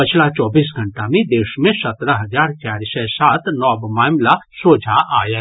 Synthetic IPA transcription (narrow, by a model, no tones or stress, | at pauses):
pət͡ʃʰlat͡ʃɔːbiːs̬ɡʱɐɳʈamẽd̪eːʃmẽsɐt̪ɾəɦɐd͡ʒaːɾt͡ʃaːɾsɛsaːt̪nɔːbmaːmlasoːd͡ʒʱaʔa̰ːjə